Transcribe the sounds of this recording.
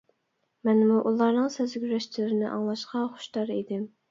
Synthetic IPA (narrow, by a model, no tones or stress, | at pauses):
mɛnmuʔulˠɑɾnɨŋsezɡʲyɾɛʃt͡ʃʰilɪɾɪnɪʔɑ̰ŋlˠɑʃqʰɑχʊ̥ʃd̪ɑɾid̪ɪm